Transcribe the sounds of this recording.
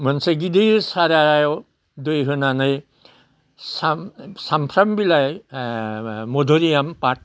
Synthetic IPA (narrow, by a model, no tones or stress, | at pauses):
mənseɡid̪ɯsaɾajjo | d̪ojɦɯnanɯj | sasampʰɾɐmbilaj | mod̪ʱoɾijampaʈ̚